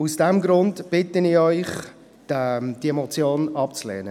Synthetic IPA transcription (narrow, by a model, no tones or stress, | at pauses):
usd̥ɛmɡɾʊndb̥ɪtənɪɔʏχ | ɛd̥iɛmɔt͡sjoːnɑpt͡slɛ̰ːnə